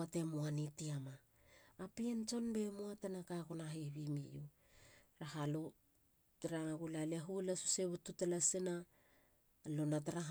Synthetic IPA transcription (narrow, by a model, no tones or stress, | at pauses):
ate̞muanitiamaː | pient͡ʃo̞nbe̞muatenakakonaɦeβimiju | ɾaɦalo | ɾaɡulaleaɦulasuseβututelasina | lo̞nataɾaɦ